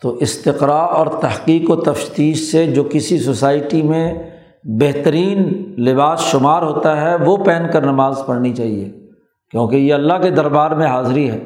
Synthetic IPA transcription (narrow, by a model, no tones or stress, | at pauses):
t̪oːʔɪst̪ɪqɾaːɾɔːɾt̪ɐɦqiːqot̪ɐfʃt̪iːʃsed͡ʒoːkɪsisosaːɪʈimẽ | bɛɦt̪əɾiːnlɪbaːsʃʊmaːɾɦoːt̪aɦɛʋopɛːnkɐɾnɐmaːzpɐɽnit͡ʃaːɦiḛ | kjõːkejeɐlːaɦked̪ɐɾbaːɾmẽɦaːzɾiɦɛː